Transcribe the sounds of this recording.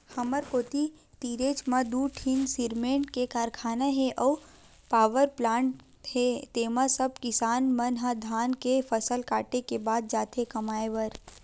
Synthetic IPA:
hɐməɾkoːt̪i | t̪iːɾeːt͡ʃmad̪uːʈʰɪnsɪɾmẽːɳʈkekaːɾkʰaːnaɦeʔɔː | paːʋəɾplaːɳʈ | ɦet̪eːmasəb̚kɪsaːnmɐnɦad̪ʱaːnkefɐsəlkaːʈekebaːd̪̚d͡ʒaːt̪ekɐmaːeʋəɾ

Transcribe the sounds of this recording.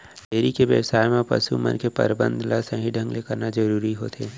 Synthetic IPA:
t̪eːɾikeʋjə̰wsaːjmẽpɐ̰sṵmə̰nkepɐ̰ɾbə̰̃nd̪ʱlasə̃ɦĩɖʱə̃ŋɡlekəɾnad͡ʒɐɾuːɾiɦoːt̪ʰeː

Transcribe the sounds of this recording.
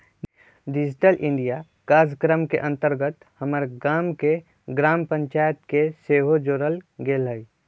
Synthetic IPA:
ɖɪd͡ʒʈəlʔɪ̃ɳɖija | kaːd͡ʒkɾəmkeʔə̃nt̪əɾɡət̪həməɾɡaːmke | ɡɾaːmpə̃ɲt͡ʃaːjət̪keseːɦod͡ʒoːɾəlɡelɦəi

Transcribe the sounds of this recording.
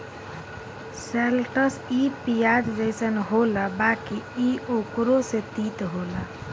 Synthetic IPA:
selʈəsipijad͡ʒd͡ʒəjsənɦolabakiiokɾosẽt̪it̪ɦola

